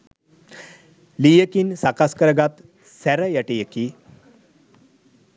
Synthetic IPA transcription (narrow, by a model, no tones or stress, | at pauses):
lijəkinsakaskəɾɡat̪ | sɛɾəjəʈijəki